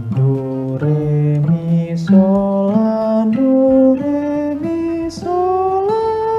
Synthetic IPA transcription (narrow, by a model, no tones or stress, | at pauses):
ndu | ɾemisɔladuɾemi | sola